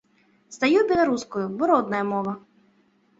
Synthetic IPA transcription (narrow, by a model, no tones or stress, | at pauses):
st̪ɐjubʲilˠɐɾuskɔjʊbɔɾɔd̪nɐjɐmɔʋɐ